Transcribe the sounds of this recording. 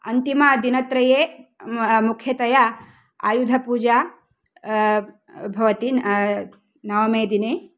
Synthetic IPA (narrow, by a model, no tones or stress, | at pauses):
ɐ̰nt̪imɐd̪inɐt̪ɾɐjeː | mukʰjɐt̪ɐjɐ | a̰ːjud̪ʱɐpuːd͡ʒa | bʱɐʋɐt̪i | nɐʋɐmeːd̪ine